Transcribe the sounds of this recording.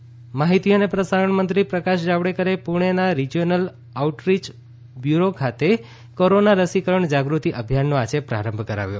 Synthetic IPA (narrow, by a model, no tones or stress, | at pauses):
maɦit̪ionepɾəsaɾəɳmənt̪ɾipɾəkaʃd͡ʒaʋɽekəɾepuɾɳ̃enaɾid͡ʒonəl | auʈɾit͡ʃ | bjuɾokʰat̪e | koɾonaɾəsikəɾəɳd͡ʒaɡɾut̪iʔəbʱjanːoat͡ʃʰepɾa̰ɾəmbʱkəɾa̰ʋjo̰